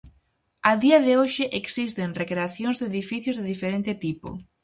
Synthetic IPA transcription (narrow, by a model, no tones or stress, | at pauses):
aðiɐðɪoʃɪʔeksist̪eŋrekɾeaθjõŋzðeðifiθjoʊzðeðifeɾẽnt̪ɪt̪ipo̰